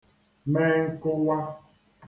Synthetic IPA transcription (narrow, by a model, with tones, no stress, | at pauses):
mɛ˦ŋ̩˦ko˦wa˦